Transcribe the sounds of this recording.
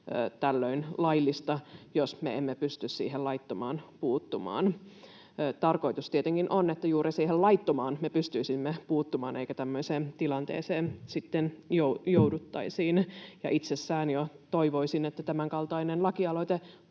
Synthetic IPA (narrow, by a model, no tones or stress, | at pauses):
ø̰t̪ælːøinlɑilːist̪ɑjosmḛemːepyst̪yssḭːɦellɑit̪ːomɑːnpuːt̪ːumɑ̰ːn | t̪ɑrko̞it̪ust̪iet̪eŋkinʔonːet̪ːæjuːrisiːhellɑit̪ːomɑːnmepyst̪yisimːepuːt̪ːumɑ̰ːnʔeikæt̪æmːøiseːnt̪ilɑnt̪ḛːseːnsit̪ːenjojoudut̪ːɑisiːnjɑ̰ʔit̪sesːæːnjot̪oiʋoisinet̪ːæt̪æmæŋkɑlt̪ɑinenlɑkiɑloit̪e